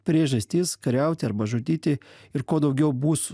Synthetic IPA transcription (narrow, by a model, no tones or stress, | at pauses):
pʲɾʲiːʒɐsʲt̪ʲiːskɐɾʲɛʊt̪ʲɪɐɾbɐʒʊt̪ʲiːt̪ʲɪɪɾkoːd̪ɐʊɡʲɛʊbuːs